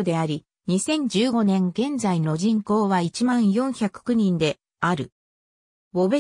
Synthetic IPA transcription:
od̪e̞aɾʲi | ɲ̟isẽ̞ɲ̟d͡ʑɨːɡo̞nẽ̞ŋɡẽ̞nd͡zaino̞ʑĩŋko̞ːβait͡ɕimãɰ̃jõ̞ɰ̃çakɯ̟̥kɯ̟ɲ̟ĩnd̪e̞ | aɾɯ̟ | obe

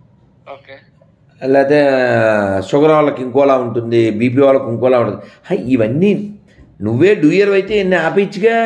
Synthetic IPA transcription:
o | lɛːt̪eː | sɔɡɐɾalːɐkiŋkɔːlaːuɳʈund̪ibiːp̬iːʋaːlɐkiŋkɔːlaːuɳʈuniaiʋɐnːi | nuʋːe̞ːɖuːjɐɾʋɐjt̪eːɐnːiaːpɐit͡ʃːiɡa

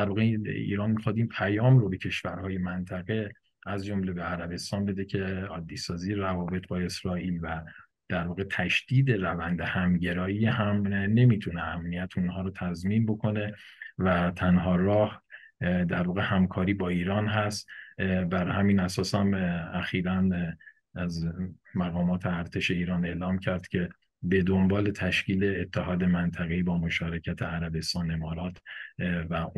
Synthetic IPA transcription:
d̪æɾvɒːɣeḭːɾɒːnmixɒːd̪inpʰæjɒːmɾobe̞cʰe̞ʃvæɾhɒːje̞mænt̪ʰæɣe̞ | æzd͡ʒo̞mle̞be̞æɾæbe̞st̪ɒːnbe̞d̪ecʰe̞ɒːd̪ːiːsɒːziːjeɾævɒːbe̞t̪ʰbɒːe̞sɾɒːʔiːlvæ | d̪̥æɾvɒːɣe̞t̪ʰæʃd̪̥iːd̪e̞rævænd̪ehæmɟe̞ɾɒːjiːhæmne̞miːt̪ʰuneæmnijæt̪ʰunɦɒːɾɔːt̪ʰæzminbo̞kʰo̞ne̞væt̪ʰænɦɒːɾɒːh | d̪æɾvɒːɣehæmkʰɒːɾiːbɒːiːɾɒːnɦæst̪bæɾhæmiːnæsɒːsæmæxiːɾæn | æz | mæɣɒːmɒːt̪ʰeæɾt̪ʰe̞ʃe̞iːɾɒːne̞ːlɒːmcʰæɾd̪̥cʰe̞ | be̞d̪o̞mbɒːle̞t̪ʰæʃciːle̞ːt̪ʰːeɦɒːd̪e̞mænt̪ʰæɣeiːbɒːmo̞ʃɒːɾecʰæt̪ʰeæɾæbe̞st̪ɒːne̞mɒːɾɒːt̪ʰvæ

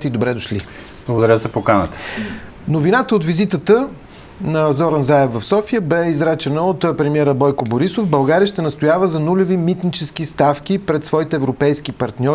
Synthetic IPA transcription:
t̪ɛid̪obɾɛd̪oʃlḭ | b̥lˠɐɡod̪ɐɾʲjəzɐpokanət̪ə̥ | novinat̪əot̪vizit̪ət̪ə | nɐzɔɾənzaɛfvɐfsɔfijəbɛizɾat͡ʃɛnəot̪pɾɛmiɛɾəbɔjkoboɾisofbɐlˠɡaɾiəʃt̪ɛnɐst̪ojavəzɐnulʲovimit̪nit͡ʃɛsk̟ist̪afk̟ipɾɛt̪svɔit̪ɛːvɾopɛjskipɐɾt̪nʲɔ

